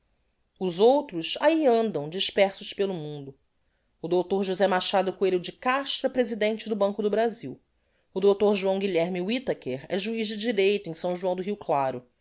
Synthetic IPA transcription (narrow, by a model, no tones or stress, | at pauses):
ʊzowt̪ɾʊsaiɐ̃nd̪ɐ̃w̃d͡ʒiʃpɛɾsʊʃpelʊmũnd̪ʊː | d̪owt̪oɾʒuzɛmaʃad̪ʊkueɾʊd͡ʒɪkaʃt̪ɾɐpɾezid̪ẽnt͡ʃɪd̪ʊbɐ̃ŋkʊd̪ʊbɾaziw | ʊd̪owt̪oɾʒuɐ̃w̃ɡiʎɛɾmiwit̪ekeɾɛʒuiʒd͡ʒɪd͡ʒiɾejt̪ʊẽj̃sɐ̃w̃ʒuɐ̃d̪ʊɦiwklaɾʊ